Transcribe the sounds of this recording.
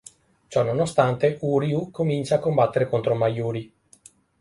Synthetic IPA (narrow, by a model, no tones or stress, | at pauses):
t͡ʃɔnonost̪ant̪euɾiukomint͡ʃaːkːombat̪ːeɾekont̪ɾomajuːɾi